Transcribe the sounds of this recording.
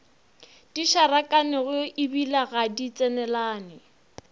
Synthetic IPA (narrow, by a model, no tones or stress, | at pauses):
d̥iʃarakʼanɪɣʊɪbilaɣadit͡sʼɛnɛlaːnɪ